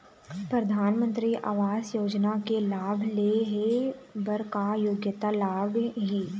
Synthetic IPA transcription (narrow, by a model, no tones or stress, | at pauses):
pɾɐd̪ʱaːnmə̃nt̪ɾiʔa̰ːʋaːzjoːd͡ʒnakelaːbʱleɦebɐɾkajoːɡjət̪alaːbɦiː